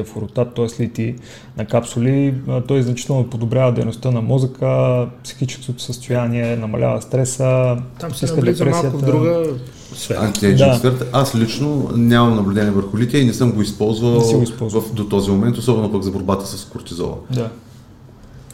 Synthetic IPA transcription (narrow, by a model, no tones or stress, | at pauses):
ɛfʊɾʊt̪at̪ːɔɛslit̪i | nɐkapsʊlit̪ɔjznɐt͡ʃit̪ɛlˠnopod̪obɾʲavəd̪ɛjnost̪ənɐmɔzəkəpsi̥xit͡ʃɛ̥skot̪o̥səst̪ojaniɛnɐmɐ̰lʲʔa̰vəst̪ɾɛsət̪iskəd̪pɾɛmasiətvd̪ɾuɡə | svɛa̰nt̪iɛd̪afɛɾt̪ʔaslit͡ʃnonʲamɐmnɐblʲʊd̪ɛniɛvəɾxʊlit̪iəinɛsɤmɡoispɔlˠzvəlnˠɛsiɡoispɔvfd̪ot̪ɔzimomɛnt̪osɔbɛnopəɡzɐboɾbat̪ə̥səskʊɾt̪izɔ̰vɐ̰nd̪a